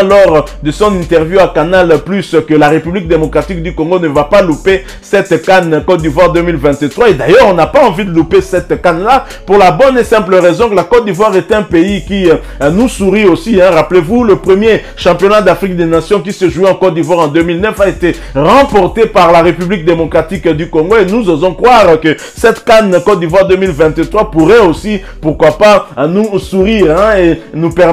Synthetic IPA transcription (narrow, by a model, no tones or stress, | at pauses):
lɔʁd̪əsɔ̃nɛ̃nt̪ɛʁvjuakanalplyskəlaʁepyblik̚d̪emɔkʁat̪ik̚d̪ykɔ̃ŋɡonəvapalupe | sɛt̪kankɔt̪̚d̪ivwaʁd̪ømilvɛ̃t̪ət̪χwaed̪ajœʁɔ̃napaɑ̃vid̪əlupesɛt̪kanla | puʁlabɔnesɛ̃pləʁɛzɔ̃kəlakɔt̪̚d̪ivwaʁet̪ɛɛ̃peiki | nusuʁiosiɛ̃ʁaplevuləpχəmje | ʃɑ̃pjɔnad̪afʁik̚d̪enasjɔ̃k̬isəʒueɑ̃kɔt̪̚d̪ivwaʁɑ̃d̪ømilnœfaet̪e | ʁɑ̃pɔʁt̪epaʁlaʁepyblik̚d̪emɔkʁat̪ikd̪ykɔ̃ŋɡoenuzozɔ̃kχwaʁkə | sɛt̪kankɔt̪̚d̪ivwaʁd̪ømilvɛ̃t̪ət̪χwapuʁɛosi | puʁkwapanusuʁiʁɛ̃enupɛ